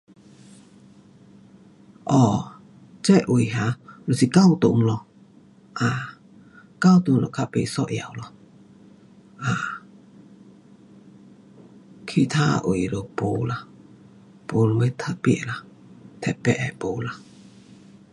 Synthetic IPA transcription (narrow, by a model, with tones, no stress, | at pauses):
ʔɔː˧˩ | t͡sɛ˦˧˨ʔʔu˨˩˨jɦa˨˦lo˨si˧˨ka˥˧˨wt̪o˨˦ŋlɔ˧˨ | ʔaː˨ | ka˥˨wt̪o˨ŋlɔ̰˨kʰa˧ʔpe˧˨sɔ˧ʔja˨˦wlɔ˧˨ | ʔaː˨ | kʰi˧˨t̪ʰaː˧ʔṵ˨jlo˨po˨˦la˧˨ | po˨˦lo˧˨mə˧˦t̪ʰə˧˥pḭ˧˨ʔla˨ | t̪ʰɛ˧˨pɛ˧˨ʔɛ˨po˨˦la˨